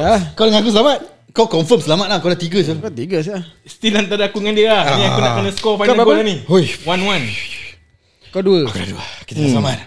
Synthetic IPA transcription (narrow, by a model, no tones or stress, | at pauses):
akawdəŋãnak̬usəlamat̪̚ | kawkɔɱfəmsəlamat̪̚lakawdaht̪iɡəs̬ut̪iɡəsast̪ilant̪adəakuŋandiəlahnĩakunã̰ʔkənaskɔfajnnakaniojwanwan | kaduəkakuda̰duakit̪əsəlamat̪̚